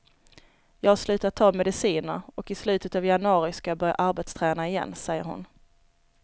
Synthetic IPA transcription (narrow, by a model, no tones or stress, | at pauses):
jɑːhaslʉ̟ːt̪at̪ʰːɑːmɛd̪ɪsiːnə̰ɾɔkɪslʉ̟ːt̪ət̪avjanɵɑːɾɪskajabœɾja̰ʔaɾbɛt̪st̪ʰɾɛːnaɪjɛ̰nːsɛjːə̰ɾhʊ̰n